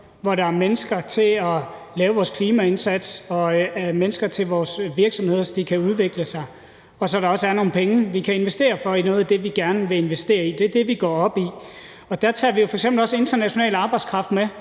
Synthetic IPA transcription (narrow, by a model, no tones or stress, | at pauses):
ʋɒɾ̥ɑ̈æɐmenəsɡ̥ɐt͡sʰe̝ɒlɛːʊʋɒːskʰliːmæe̝nsæd̥sɒ̽æmenəsɡ̥ɐt͡sʰe̝lʋɒːsʋiɐɡ̥sɒ̽mhe̝ð̰ˠɐsɒd̥ikʰæuð̞ˠʋe̝ɡ̥ləsɑ̈ɪ | ɒ̽sɒ̽ɾ̥ɑ̈ɒ̽sæɐno̝ːn̩pʰeŋəʋikʰæe̝nʋesd̥e̝̰ːɐfɒ̽inɔ̽ːð̩ˠæd̥e̝ʋiɡ̥æɐnʋe̝e̝nʋesd̥e̝̰ːɐid̥e̝æɐd̥e̝ʋiɡ̥ɒ̰ːɒ̽b̥i | ɒ̽d̥æɐt͡sʰɑ̰̈ːʋijo̝fɒ̽eɡ̥semb̥lɒ̽se̝nd̥ɐnæɕo̝nɛ̰ːləɑ̈ːb̥ɑ̈ɪdskʰʁɑ̈fd̥me